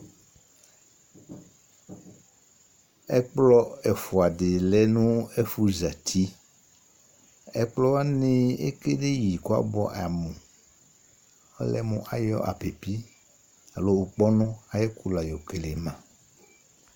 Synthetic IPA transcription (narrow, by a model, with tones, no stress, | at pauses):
ɛ˦k͡plɔ˦ɛ˨fu˨a˨dɪ˨lɛ˦nũ˦ɛ˦fu˦za˨t̪ʰi˦ | ɛ̰˦k͡plɔ˦wa˦nɪ̃˦ḛ˦ke˦de˦ji˨ko˦a̰˦bɔ˦ʔa˨mũ˨ | ɔ̰˦lɛ˦mũ˨ʔa˨jɔ̰˦ʔa̰˨pe˨pi˦ | a˨lo˦u˨k͡pɔ˦nɔ̃˦a˨jɛ˦ku˦la˨jɔ˨ke˨le˨mã˨